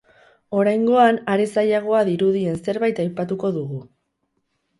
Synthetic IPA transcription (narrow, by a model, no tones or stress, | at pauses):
o̞ɾajŋɡo̞anaɾe̞sajaɣ̞o̞aðiɾuðie̞nse̞ɾβajt̪ajpat̪uko̞ðuɣu